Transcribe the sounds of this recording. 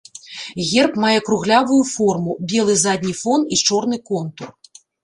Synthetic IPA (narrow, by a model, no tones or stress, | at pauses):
ɣʲɛrpmajɛkɾuɣlʲavujufɔrmubʲɛlˠɨzad̪ʲnʲifɔnt̪it͡ʂɔrnɨkɔnt̪ur